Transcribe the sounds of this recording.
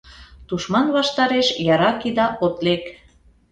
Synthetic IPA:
t̪uʃmɑnβɑʃt̪ɑɾeʃjɑɾɑkid̪ɑʔot̪lek

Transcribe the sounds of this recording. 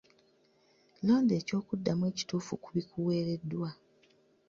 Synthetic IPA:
lo̞ːnde̞ːco̞ːkudːamwe̞ːci̥tuːfukuβikuwe̞ːɾe̞dːwa

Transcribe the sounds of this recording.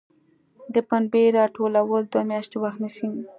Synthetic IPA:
d̪əpanbeɾɑʈolawəld̪wamjɑʃt̪ewaxt̪nisi

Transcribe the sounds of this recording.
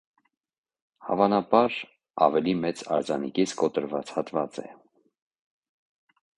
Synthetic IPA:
hɑ̰vɑnɑbɑɾ | ɑ̰vɛlimɛt͡sɑ̰ɾd͡zɑnikit͡sʰkɔt̪əɾvɑt͡shɑt̪vɑt͡sɛ̰

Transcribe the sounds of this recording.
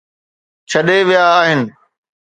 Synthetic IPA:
t͡ɕʰɐɗeʋijaːɦɪnɪ̆

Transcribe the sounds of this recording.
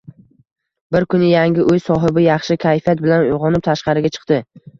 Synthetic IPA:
bɪɾkʰʊnɪjaŋʲɪʔʊjsɒɦɪbɪjɑχʃɪkʲʰajfijat̪̚bɪlanʊjʁɒnɪp̚t̪ʰaʃqɑɾɪɡʲat͡ʃʰɨ̥qt̪ɪ

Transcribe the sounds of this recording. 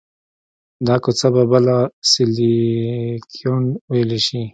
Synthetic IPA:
d̪ɑkot͡sababalasɪli | kʰionwajleʃi

